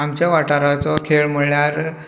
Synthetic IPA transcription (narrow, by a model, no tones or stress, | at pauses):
amt͡ɕjaʋaʈaɾat͡sɔkʰeɭməɭjaɾ